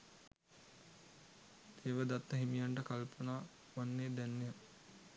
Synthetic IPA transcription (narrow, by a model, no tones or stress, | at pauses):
t̪ʰeːʋəd̪at̪ːəɦimijaɳʈəkalpənaː | ʋanːeːd̪ænːejə